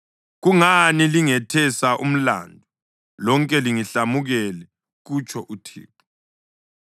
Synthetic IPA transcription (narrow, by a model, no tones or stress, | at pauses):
ɣuŋaniliŋɛtʰɛsaʔṵm̩la̰ːndʱu | lɔŋkʼɛliŋiɬamuɣɛlɛ | ɣut͡ʃʰʼɔʔutʰḭːpʰʼu̥